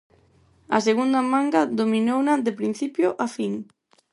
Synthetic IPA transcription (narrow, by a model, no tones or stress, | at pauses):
a̰seɣund̪amaŋɡad̪ominownad̪epɾin̟θipjʊʔafiŋ